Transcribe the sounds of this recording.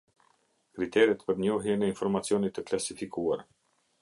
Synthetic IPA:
kɾit̪ɛɾɛt̪pəɾɲɔɦɛnɛinfɔɾmat͡siɔnit̪ːəklasifikua̰ɾ

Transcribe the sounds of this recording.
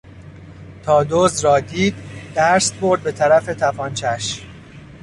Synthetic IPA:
t̪ʰɒːd̪oːzɾɒːd̪iːd̪ːæɾst̪boɾd̪̚be̞t̪ʰæɾæfe̞t̪ʰæfɒːnt͡ʃʰæʃ

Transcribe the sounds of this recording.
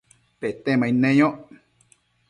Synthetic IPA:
pet̪emãĩnẽjõ

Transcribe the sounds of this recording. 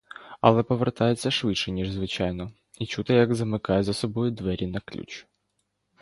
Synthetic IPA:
ɐ̰lˠɛpɔʋert̪ɑjet͡sʲːɐʃʋɪd̪ʃɛnʲiʐzʋɪt͡ʃɑjnɔ | it͡ʃut̪ɪjɐɡzɐmɪkɑjɛzɐsɔbɔjʊd̪ʋɛɾʲinɐklʲṵt͡ʃ

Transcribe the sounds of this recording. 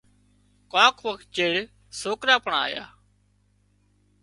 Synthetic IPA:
kãːkʰʋəkʰt̪̚t͡ʃeːɭ | soːkɾaːpəɳaa̰ːja̰ː

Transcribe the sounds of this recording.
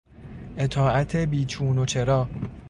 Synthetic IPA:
ʔe̞t̪ʰɒːʔæt̪ʰe̞biːt͡ʃʰuːnot͡ʃʰe̞ɾɒː

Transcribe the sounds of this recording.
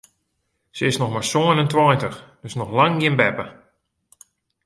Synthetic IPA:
səɪsnɔxmaɹsoənəntwɔːntəxdøsnɔxlaŋɡɪnbɛpə

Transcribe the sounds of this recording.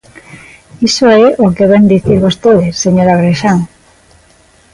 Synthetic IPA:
isoeʔokeβend̪iθiɾβost̪eðesːeɲoɾaɣɾeʃaŋ

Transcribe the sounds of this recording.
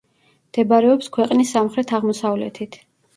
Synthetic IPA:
md̪̥ɛbaɾɛɔpskʰwɛqʼnisːamχɾɛt̪ʰaʁmɔsavlɛ̰t̪ʰit̪ʰ

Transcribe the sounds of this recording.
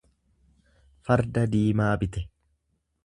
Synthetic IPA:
fɐɾd̪ɐd̪iːmaːbɪt̪ɛ

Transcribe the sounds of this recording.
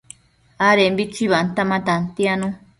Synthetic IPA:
aɾembit͡ʃiβant̪amãt̪ant̪janũ

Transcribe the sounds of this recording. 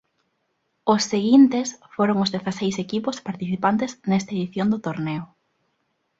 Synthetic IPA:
ʊsːeɣint̪esfoɾoŋʊzðeθasejsekipʊspaɾt̪iθipant̪eznɛst̪aeðiθjond̪ʊt̪oɾneʊ

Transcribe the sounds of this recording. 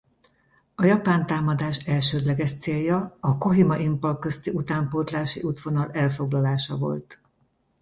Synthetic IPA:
ɒjɒpaːnt̪aːmɒd̪aːʃɛlʃøːd̪lɛɡɛʃt̪seːljɒːko̞ɦimɒʔimpolkø̞st̪iʔut̪aːmpoːt̪laːʃiʔut̪ʋo̞nɒlɛlfo̞ɡlɒlaːʃɒvo̞̰lt̪

